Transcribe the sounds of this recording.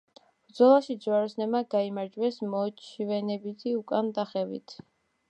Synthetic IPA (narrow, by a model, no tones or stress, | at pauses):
b̥ɾd̪zɔlˠaʃid̪zwaɾɔsnɛmaɡaimaɾd͡ʒwɛsmɔt͡ʃʰivɛnɛbit̪ʰiukʼand̪aχɛvḭt̪ʰ